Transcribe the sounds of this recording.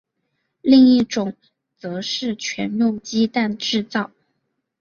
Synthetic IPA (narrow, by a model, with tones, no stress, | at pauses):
li˥˧ŋi˥˩ʈ͡ʂʊ˨˩˦ŋ | t͡sɤ˧˥ʂɻ̩˥˩t͡ɕʰɥɛ˧˥nnʊ˥˩ŋt͡ɕi˥t̪a˥˧nʈ͡ʂɻ̩˥˧t͡sɑ˥˩ʊ